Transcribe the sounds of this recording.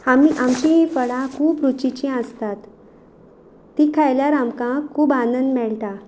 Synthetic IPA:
amiʔamt͡ɕiɦifəɭãkʰuːpɾut͡ɕit͡ɕĩəst̪at̪ | iːkʰajljaɾamkãkʰːuːbanənd̪mɛɭt̪a

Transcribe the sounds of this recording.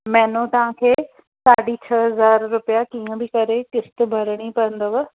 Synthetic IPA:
mɛːnõt̪ɐʋãkʰeː | saːɽit͡ɕʰɐɦɐzaːɾːʊpjakiːə̃bɪkɐɾekɪst̪̆bʱɐɾɽ̃ipɐ̃ə̃nd̪oʋɐ

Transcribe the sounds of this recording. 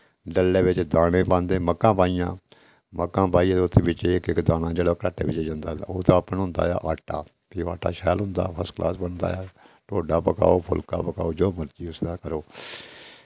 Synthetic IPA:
ɖəlːeːʋɪt͡ʃd̪aːɽẽːpãːnd̪ẽːməkːãːpaːijãː | məkːãːpaːiːãːd̪ʊt̪ʰːeːbɪt͡ʃekɪkd̪aːnãːd͡ʒeːɽoːkɾaːʈḛːʋɪt͡ʃːd͡ʒãnd̪aːaoːt̪ãːəpənɦʊ̃nd̪a̰ːja̰ːʔaːʈːaː | kioːaːʈːa̰ːʃɛːlɦʊ̃nd̪a̰ːpʰəsklʔa̰ːsbəɳd̪a̰ːjaːʈoːɖaːpəka̰ːoːpʰʊ̰lka̰ːpəkaːoːd͡ʒoːməɾt͡ʃiːʊsd̪aːkəɾoː

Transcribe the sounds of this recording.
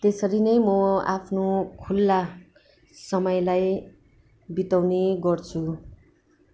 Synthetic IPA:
t̪esʌɾinʌjmʌa̰pʰnokʰulːa | sʌmʌjlaj | bit̪awneɡʌrt͡sʰu

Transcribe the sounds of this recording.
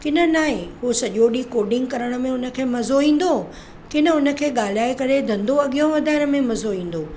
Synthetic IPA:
kɪnə̆naːɦẽɦusɐʄoɗiːkoːɖɪ̃ŋɡ̚kɐɾəɽ̃̆mẽʊnə̆kʰeːmɐzoĩːn̆d̪o | kɪnə̆ʊnə̆kʰeːɠaːl̤iaːɪkɐɾed̪ʱɐ̃nd̪oɐɠijõʋɐd̪ʱaːɪɾəmẽmɐzoĩːn̆d̪oː

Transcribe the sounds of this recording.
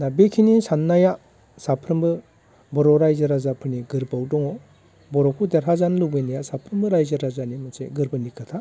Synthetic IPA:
nabekʰinisanːaja | sapʰɾɯmbɯ | bɔɾɔɾajzaɾazapʰɯɾniɡɯɾbawdɔŋɔ | bɔɾɔkʰudeɾɦazanlubɯjnajasapʰɾɯmbɯɾajzaɾazanimɯsḛɡɯɾbɯnikʰɯtʰa

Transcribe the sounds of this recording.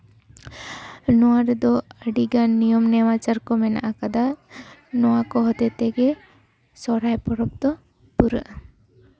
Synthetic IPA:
nɔwaɾd̪ɔəɖiɡanːijɔmnɛmat͡ʃaɾkɔmɛna̰ʔakad̪a | nɔakɔɦɔt̪ɛt̪ɛɡɛ | sɔɾajpɔɽɔp̚t̪ɔ | puɾə̰ʔ

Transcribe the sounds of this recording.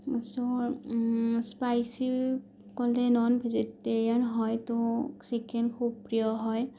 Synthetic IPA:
sɔ | spajsi | kɔlɛnɔnbʱiziteɹianɦɔjtʊsikʰɛnkʰub̚pɹijɔɦɔj

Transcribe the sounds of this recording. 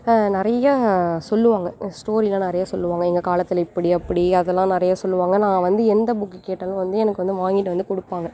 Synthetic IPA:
nɪɾɐjasɔlːɯʋaːŋɡɐsʈoːɾilãːnɪɾɐjaːsɔlːɯʋaːŋɡɐɛŋɡɐkaːlɐt̪ːɪlɪpːɐɽiɐpːɐɽiɐðɛlːãːnɪɾɐjaːsɔlːɯʋaːŋɡɐnãːʋɐnd̪ɯɛnd̪ɐbʊkːɯkeːʈːɐlʊ̃ʋɐnd̪ɯɛnɐkːɯʋɐnd̪ɯʋaːŋɡɪʈːɯʋɐnd̪ɯkɔɽɯpːaːŋɡɐ

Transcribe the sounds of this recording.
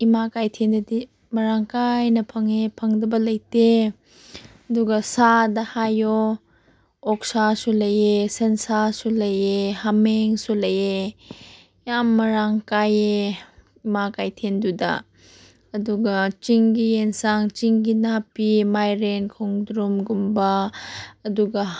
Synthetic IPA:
imakajtʰendɐdi | mɐɾaŋkajnɐpʰɐŋepʰɐŋdɐbɐlɐjte | ɐduɡɐsadɐhajo | ɔk̚sasulɐjesensasulɐjehameŋsulɐje | jamːɐɾaŋkaje | makajtʰendudɐ̰ː | duɡɐt͡ʃiŋɡijensaŋt͡ʃiŋɡinapimajɾenkʰoŋdɾumɡumbɐː | duɡɐ

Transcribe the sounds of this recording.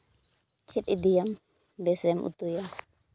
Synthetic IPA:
t͡ʃit̪id̪ijam | bɛsɛmʔṵt̪uja

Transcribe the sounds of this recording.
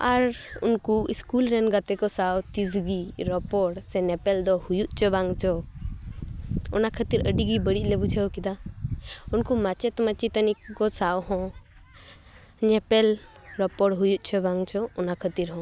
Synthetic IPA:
aɾṵnkuiskulɾɛnɡat̪ɛkɔsawt̪izɡiɾɔpɔɽsɛnɛpɛld̪ɔhujuʔt͡ʃʰɔbaŋt͡ʃʰɔ | ɔnakʰət̪iɾəɖiɡibəɽiʔ̚lɛbut͡ʃʰəwkid̪a | unkumat͡ʃɛt̪mat͡ʃit̪ənikkɔsawɦɔ̃ | ɲɛpɛl | ɾɔpɔɽɦujuʔ̚t͡ʃʰɔbaŋt͡ʃʰɔɔnakʰət̪iɾɦɔ̃

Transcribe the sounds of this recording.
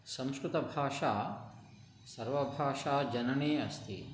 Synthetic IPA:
sɐ̃mskɾɪt̪ɐbʱaːʂaː | sɐɾʋɐbʱaːʂaːd͡ʒɐnɐɳeːɐst̪ʰḭ

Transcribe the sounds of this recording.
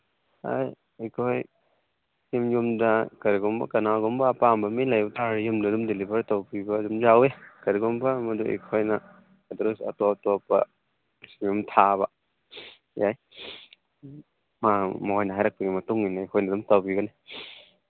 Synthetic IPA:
a̰j | ejkʰoj | jimjumdɐkɐɾiɡɔmbɐ̰kɐnaɡɔmbɐːpambɐmilajbɐtaɾjumdaːdumdelibaɾtawbibɐːdumzawekɐɾiɡɔmbɐmɐduḛjkʰojnɐː | dɾusa̰tɔtɔpɐ̰ | smjumtʰaβɐ | jaj | mamjnɐɦajɾak̚pɐɡimɐtuŋinaejkʰɔjnadumtawbiɡɐni

